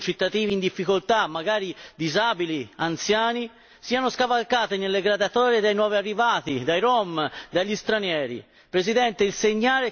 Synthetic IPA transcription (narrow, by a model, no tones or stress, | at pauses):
t͡ʃit̪ːat̪iːviːnd̪ifːikolt̪amːaɡaːɾid̪izaːbiliant̪sjaːni | siːanoskavalkaːt̪enelːeɡɾad̪at̪ɔːɾed̪ajnwɔːviarːivaːt̪id̪ajɾɔmd̪aʎːist̪ɾanjɛːɾḭ | pɾezid̪ɛnt̪eilseɲːaːle